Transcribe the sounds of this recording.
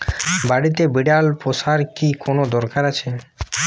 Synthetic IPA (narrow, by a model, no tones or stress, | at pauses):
baɽit̪̬ebiɖalposaɾkikonod̪ɔɾkaɾat͡ɕʰe